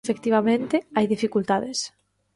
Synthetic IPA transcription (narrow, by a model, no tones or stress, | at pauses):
fekt̪iβamẽnt̪ɪajðifikult̪aðɪs